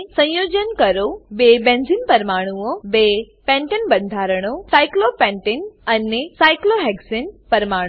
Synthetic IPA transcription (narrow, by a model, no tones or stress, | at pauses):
sɐ̃joːd͡ʑənkɐɾobeːbẽːnzinpɐɾmaːɽ̃uobeː | pɛ̃ːɳʈənbɐ̃nd̪ʱaːɾəɽ̃osaːɪklopɛ̃ːɳʈenɐnesaːɪkloɦɛːɡsənpɐɾmaːɽ̃